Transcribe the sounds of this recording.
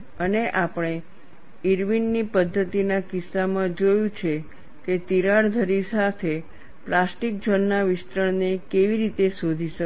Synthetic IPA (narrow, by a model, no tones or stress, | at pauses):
əneʔapəɽ̃e | iɾʋinːipəd̪ʱːət̪inakɪsːamãd͡ʒojũt͡ʃʰe | ket̪iɾaɽd̪ʱəɾisat̪ʰe | plasʈik̚d͡ʒənːaʋɪst̪ɾəɳnekeʋiɾit̪esod̪ʱiʃə